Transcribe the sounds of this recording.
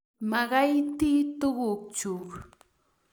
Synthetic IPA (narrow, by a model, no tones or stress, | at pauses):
mɑɢɑjt̪iːt̪oɢokt͡ʃʊk